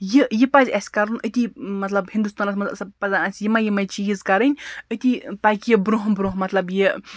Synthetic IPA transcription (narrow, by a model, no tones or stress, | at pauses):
jijipɐzʲɐsʲkɐɾunət̪ʲimɐt̪lɐbhĩnd̪ust̪aːnɐsʲmɐt̪lɐsɐbpɐzaɐsʲjimɐjimɐt͡ʃiizkɐɾɨnʲət̪ʲip̪akʲjebɾuɦbɾuɦmɐt̪lɐbje